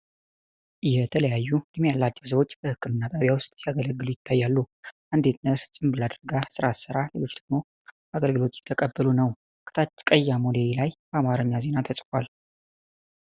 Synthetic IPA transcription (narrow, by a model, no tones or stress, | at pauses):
ʔɪht̪ʰələjajːud̪̥ɨmjalːat͡ʃːɛws̬əwo̞t͡ʃːb̥əhɨkːɨmɨnːat̪ʼaβjawʊst̪ʼsijaɡələɡːɨlujɪt̪ʰːajːalːuʔand̪et̪nəɾsʼɨmbɨlad̪ɾɡasɨɾasɨɾale̞lo̞t͡ʃːd̪̥əɡmo̞ | aɡəlɡɨlo̞t̪jɪ̥t̪ʰːəkʼəbːəlunəw | kʰɨ̥t̪ʰat͡ʃkʼəjːamolejlajb̥əamaɾəɲːaze̞nat̪ʰəsʼkal